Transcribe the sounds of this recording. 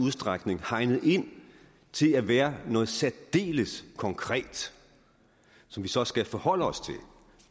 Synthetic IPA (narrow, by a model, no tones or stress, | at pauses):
uðˠsd̥ʁɑɡ̥ne̝ŋhɑ̈ɪnəð̩ˠe̝n̰ | t͡sʰe̝læʋæːɐnɔ̽ːð̩ˠsæd̥d̥e̝̰ːləskʰɒ̽ŋkʰʁɛ̰ːd̥ | sɒ̽mʋisɒ̽sɡ̥æfɒhɒ̽l̰əɒ̽st͡sʰe̝l